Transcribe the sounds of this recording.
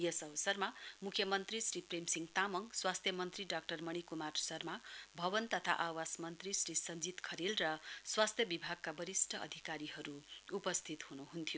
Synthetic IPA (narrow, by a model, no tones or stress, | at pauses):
jʌsʌbʌsʌrmamukʰːjʌmʌnt̪risripremsiŋɡt̪amʌŋswast̪ʰjʌmʌnt̪riɖak̚ʈʌrmʌɽ̃ikumarsʌrmabʱʌbʌnt̪ʌt̪ʰa̰ʔawasmʌnt̪risrisʌnd͡zit̪kʰʌɾilrʌswast̪ʰjʌbibʱaɡ̚kabʌɾisʈʰʌʌ̰d̪ʱikaɾiɦʌɾuːpʌst̪ʰit̪hunuɦunt̪ʰijo